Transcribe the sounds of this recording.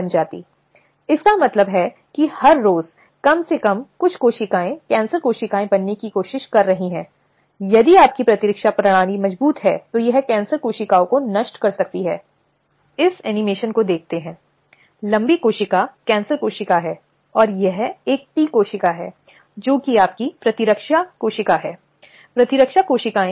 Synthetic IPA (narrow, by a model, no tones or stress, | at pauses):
ɐnd͡ʒaːt̪ḭː | ɪskamɐt̪ləbɦɛ | kihɐɾːoːz | kɐmsekɐmkʊt͡ʃʰkoːʃɪkaːẽkɛ̃ːnsəɾkoːʃɪkaːẽbɐnːekikoːʃɪʃkɐɾːɐɦiɦɛ̃ː | jɐd̪iaːp̚kipɾɐt̪ɪɾɪkʃapɾɐɽ̃aːnimɐd͡ʒbuːt̪ɦɛːt̪ojɐɦkɛ̃ːnsəɾkoːʃɪkaõkonɐʃʈkɐɾsɐk̚t̪iɦɛː | ɪsɛːnɪmeːʃənkod̪eːk̚ʰt̪eɦɛ̃ː | lɐ̃mbikoːʃɪkakɛ̃ːnsəɾkoːʃɪkaɦɛː | ɔːɾjɐɦeːk̚t̪ikoːʃɪkaɦɛː | d͡ʒoːkiaːp̚kipɾɐt̪ɪɾəkʃakoːʃɪkaɦɛː | pɾɐt̪ɪɾəkʃakoːʃɪkaːẽ